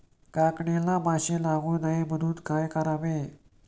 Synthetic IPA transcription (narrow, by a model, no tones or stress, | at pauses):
kakɳelamaɕelaɡuːnaebəd̪ʱuːt̪kajkəɾaʋe